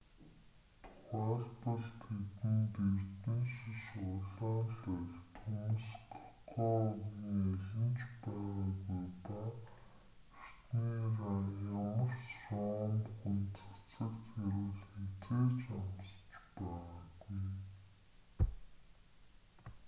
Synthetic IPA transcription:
t̪ʰʊ̥χaːɮpɔ̆ɮt̪ʰet̪ɘ̆nt̪ert̪ɘ̆nʃiʃʊɮaːnɬœɮt̪ʰumuskʰḁqɔːʊɣniːeɮʲɪ̆nt͡ɕpæːʁaːɡujpa | er̥t̪niːrajamə̆rsrɔmxunt͡sə̥̆kt͡sə̆kt̪xeɾɘ̆ɮxet͡seːt͡ɕamst͡ɕpæːʁaːɡuj

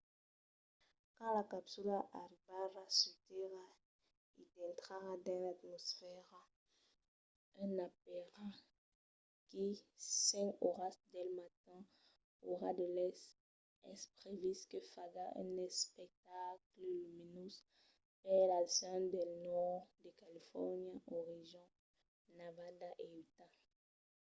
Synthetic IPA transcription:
kãlakapsylaʔaʁivaʁasut̪eʁa | idɛ̃nt̪χaʁad̪ãlat̪mɔsfɛʁa | ɛ̃nap̚eʁa | kisɛ̃koʁasd̪ɛlmat̪ɛ̃ | oʁad̪əlɛs | ɛspʁeviskəfaɡaʔɛ̰̃nɛspɛk̚t̪akləlyminus | pɛlasɔ̃d̪ɛlnɔʁd̪əkalifɔʁnjaʔɔʁiʒɔ̃ | navad̪aʔeyt̪a

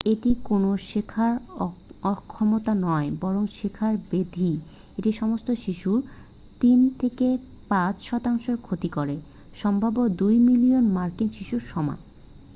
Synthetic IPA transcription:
eʈikonoʃekʰaɾɔkʰːɔmot̪anɔebɔɾoŋʃekʰaɾbed̪ʱi | eʈiʃɔmost̪oʃiʃuɾ | t̪int̪ʰeke | pãt͡ɕʃɔt̪aŋʃeɾkʰot̪ikoɾe | ʃɔmbʱabod̪ujmilionmaɾkinʃiʃuɾʃɔma̰

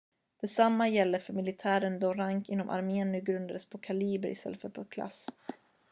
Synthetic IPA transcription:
d̪̥ɛsamːajɛlːəfœɾmɪlɪt̪ʰæːɾənd̪ɔɾaŋkɪnːɔmʔa̰ɾmeːnnʉːɡɾɵnd̪ad̪əspʰɔkʰaliːbəɾʔɪ̰st̪ɛ̰lːəfɛ̰lfɔkʰla̰s

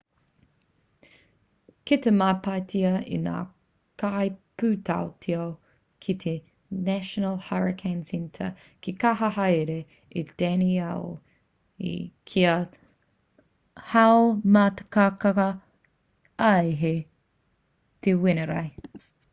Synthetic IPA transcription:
ket̪emapɐt̪ʰiɐḭna̰ː | kajpʉːtʰa̰otʰiɐw | kʰit̪ʰe | næʃonəlˠhaɹɪkʰansɪntʰɐ̰ | kikɐɦɐɦɐjɾeː | d̥æniɛl | ḭkʰiɐ | hawomat̪ɐ̥kakɐkɐ | ɐeɦe | t̪ʰewɪnɐɾɐ̰j

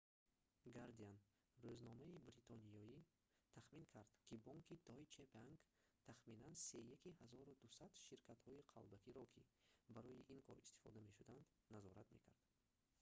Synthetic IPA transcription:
ɡaɾd̪ian | ɾøznɔmaibɾit̪ʰɔnijɔji | t̪ʰaχminkʰaɾd̪̥kʰibɔŋkʰid̪ɔjt͡ʃʰebaŋɡ | t̪ʰaχminansejakihazɔɾud̪usad̪ʃiɾkʰat̪hɔiqʰa̰lbakiɾɔkʰibaɾɔjiʔinkʰɔɾist̪i̥fɔ̰d̪ame̞ʃud̪and̪ | nazɔɾat̪mḛkʰa̰ɾd̪̥

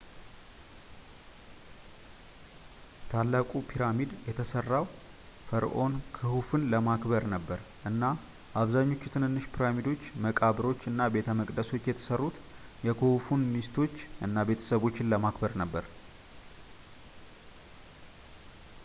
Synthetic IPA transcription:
t̪ʰalːakʼupʰiɾamid̪jɛt̪ʰəsərːaw | fəɾʔo̞nkʰɨhufɨnləmakbəɾnəbːəɾ | ʔɨnːa | ʔaβzaɲːo̞t͡ʃːu̥t̪ʰɨnhɨnːɨʃpʰiɾamid̪o̞t͡ʃːməkʼaβɾo̞t͡ʃːɨnːabe̞t̪ʰəməkʼd̪əso̞t͡ʃːjɛt̪ʰə̥sərːut̪jɛkʰɨhufunmist̪ʰo̞t͡ʃːʔɨnːabe̞t̪ʰə̥səβo̞t͡ʃːɪnləmakbəɾnəbːəɾ

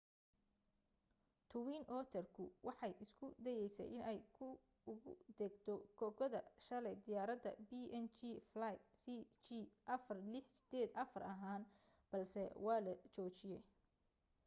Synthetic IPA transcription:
t̪ʰʊwiːnʔɔːt̪ʰɛrkʰʊwɑħɑjɪskʰʊd̪ɛjɛjsɛ̰jʔɪnɛjkʰʊ | ʊɣʊ̰d̪ɛɡt̪ʰɔɡɔɡɔðɐʃɐlɛjd̪ɪjaːɾɐd̪ɐbiʔɛnt͡ʃiflajsit͡ʃiʔɐfɐrlɪħsɪ̥d̪̥ɛːd̪ʔɐfɐrɐɦaːn | b̥ɐlsɛwɑːlɐt͡ʃɔːt͡ʃɪjɛj

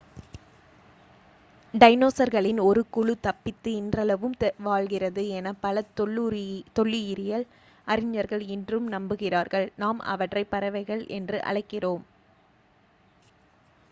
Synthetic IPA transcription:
ɖɐɪnoːsɐɾɣɐɭɪnɔɾɯkʊɻɯt̪ɐpːɪt̪ːɯɪndrɐlɐʋɯmʋaːɻɣɪrɐðɯɛnɐpɐlɐ | t̪ɔɭːɪɪɾɪjɐl | ʔɐɾɪɲːɐɾɣɐɭɪndrɯmnɐmbɯɣɪraːɾɣɐɭnaːmɐ̰ʋɐʈrɐɪpːɐɾɐʋɐɪɣɐɭɛndrɯʔɐ̰ɻɐɪkːɪroːm

